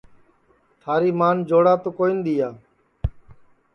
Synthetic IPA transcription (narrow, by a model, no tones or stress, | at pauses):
t̪ʰaːɾiːmaːnd͡ʒoːɽaːt̪oːkoːind̪iːjaː